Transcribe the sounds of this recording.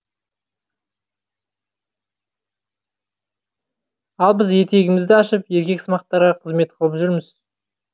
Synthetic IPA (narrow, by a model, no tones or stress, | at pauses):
ɑlˠbɪzje̞t̪e̞ɡʲɪmɪzd̪ɪɑʃəpje̞ɾkʲe̞kʲsmɑq̚t̪ːɑɾʁɑqʰəzme̞t̪̚qʰəlˠəpʒʏɾmɪz